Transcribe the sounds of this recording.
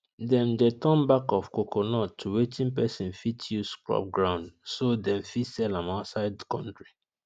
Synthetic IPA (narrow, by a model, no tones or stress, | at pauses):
dɛ̃mdetɔ̃mbakɔfkokonɔtʰːuwetʰĩnpɛsĩnfitʰjuskɹɔ̰p̚ɡɹãʊ̃ndsodɛ̃ɱfitsɛlãnaʊtsaɪd̚əkɔ̰̃ntɹi